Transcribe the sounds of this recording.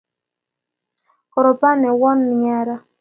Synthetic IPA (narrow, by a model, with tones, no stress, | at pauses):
kɔ˨ɾɔ˨pa˦nɛ˨wɔ˦nmi˨ɲa˦ɾa˦